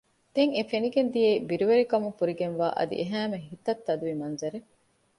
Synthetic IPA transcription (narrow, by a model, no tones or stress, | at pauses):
d̪̥eŋefeniɡend̪ijeːbiɾuʋeɾikɐmufuɾiɡenʋaːʔɐ̰d̪ḭʔeɦæːmeɦit̪ɐt̪ːɐd̪uʋimɐnzɐɾe